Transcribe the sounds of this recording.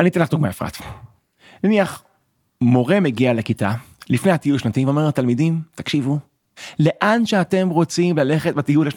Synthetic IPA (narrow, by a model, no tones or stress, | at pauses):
anit̪inlaχd̪uɡmaefʁa̰t̪ | naniaχ | mo̞ʁe̞meɡialekitalifne̞jhat̪ijulʃnatimveome̞lat̪almidimt̪akʃivu | le̞ʔanʃeate̞mʁo̞t͡simlale̞χet̚bat̪ijulaʃn